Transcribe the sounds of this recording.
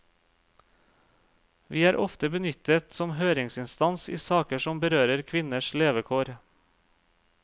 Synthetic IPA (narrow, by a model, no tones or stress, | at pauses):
ʋiːæːɾʔɔft̪əbənʏt̪ət̪sɔmhøːɾɪŋsɪnst̪ɑnsḭːsɑːkəʃɔmbəɾøːɾəɾkʰʋɪnəʃleːʋəkʰoːɾ